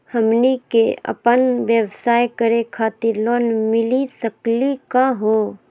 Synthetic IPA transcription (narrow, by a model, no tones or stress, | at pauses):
həmnikeə̰pənʋjewsaːjkəɾekʰaːt̪ɪɾlɔːnmɪlisəklikãɦoː